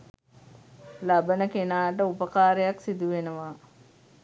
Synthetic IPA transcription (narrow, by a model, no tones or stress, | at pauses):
labənəkenaːʈ̬əupəkaːɾejaksid̪uʋenəʋa